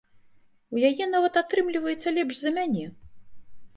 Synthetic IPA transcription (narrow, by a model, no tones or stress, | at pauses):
ujajɛnavɐt̪at̪ɾɨmlʲivɐjɛt̪sːɐlʲɛpʐzɐmʲanʲɛ